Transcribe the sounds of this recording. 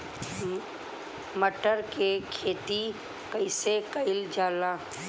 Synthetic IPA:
məʈəɾkekʰeːt̪i | kəɪsekəɪld͡ʒaːlaː

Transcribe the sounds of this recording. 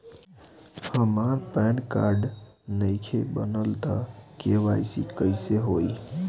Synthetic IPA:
həmaɾpɛɳka̰ɾɖ | nəjkʰebənəlt̪akeʋajsikəɪseɦoj

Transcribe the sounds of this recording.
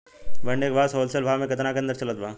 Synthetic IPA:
bɐɳɖeːkbʱaːsoːlsəlbʱaːmẽkɐt̪nakeɐ̃nd̪əɾt͡ʃɐlət̪̚bʱaː

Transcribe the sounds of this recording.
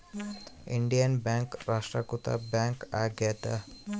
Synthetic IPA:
ḭɳɖijanbaŋkɾasʈɾakut̪a̰baŋkaɡjɛt̪a

